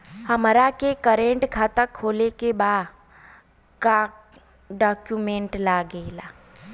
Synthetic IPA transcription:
həmɾakekəɾẽɳʈkʰaːt̪əkʰːoːlekebaːd̪ | ka | ɖaːkjumẽːɳʈlaɡelaː

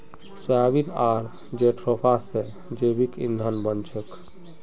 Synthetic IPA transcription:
səjabit̪aɾ | d͡ʒeʈʰɾɔpʰase | d͡ʒebikḭnd̪ʱənbənt͡ʃʰək

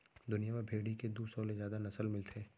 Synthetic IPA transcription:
d̪ʊnijamebʱeːɽiked̪uːsɔlezjaːd̪anɐsəlmɪlt̪ʰeː

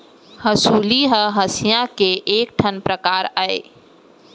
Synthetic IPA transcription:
həsuːliɦəɦəsijãkeʔeːk̚ʈʰənpɾəkaːɾaḛ

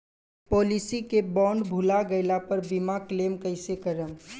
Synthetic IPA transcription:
poːlisikebɔːɳɖbʱʊlaɡəɪlapəɾbimakleːmkəɪsekəɾəm

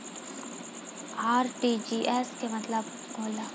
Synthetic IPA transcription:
aːɾʈiːd͡ʒiːʔɛskemɐt̪ləb | koːla

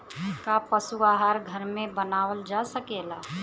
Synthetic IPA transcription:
kapəsuaːɦaːɾɡʱəɾmẽbənaːwəld͡ʒasəkeːlaː

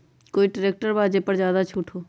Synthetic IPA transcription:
koːiʈəɾeːk̚ʈəɾbaːd͡ʒepɐɾzjaːd̪at͡ʃʰuːʈʰɦoː

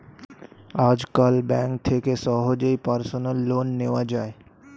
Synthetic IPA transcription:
aːd͡ʒkəlbɛ̃ːŋk̚t̪ʰekesɔːɦod͡ʒeipəɾsənəlːoːnːeːʋad͡ʒaːe

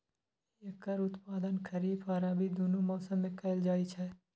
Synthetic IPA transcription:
jɐkɐɾʊt̪paːd̪ənkʰɐɾiːbaːɾabʱid̪oːnomɔːsəmːẽkɐɪld͡ʒaːit͡ʃʰɛː

